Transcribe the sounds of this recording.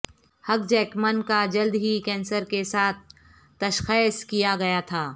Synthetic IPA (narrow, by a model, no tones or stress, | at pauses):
hɐk̚d͡ʒɛːkmənkad͡ʒɐld̪ɦikɛ̃ːnsəɾkesaːt̪̚ʰː | ɐʃxeːskijaɡɐjat̪ʰaː